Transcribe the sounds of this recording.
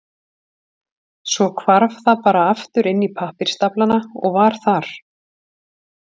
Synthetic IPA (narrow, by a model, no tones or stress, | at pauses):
sɔkʰvaɾv̥θaðpaːɾaaft̪ʏɾɪnːipʰahpɪɾ̥st̪aplanaɔ̰ɣvaɾ̥θaɾ̥